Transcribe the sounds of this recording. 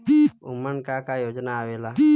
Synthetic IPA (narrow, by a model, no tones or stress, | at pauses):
iumːankakajod͡ʒnaːwela